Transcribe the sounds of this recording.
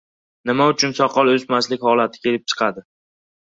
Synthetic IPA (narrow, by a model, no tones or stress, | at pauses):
nɪmaʊt͡ʃʰʊnsɒqʰɒlˠɵsmaslɪkʲhɒlat̪ʰɪ̥kʲʰe̞lɪp̚t͡ʃʰɨ̥qʰad̪ɪ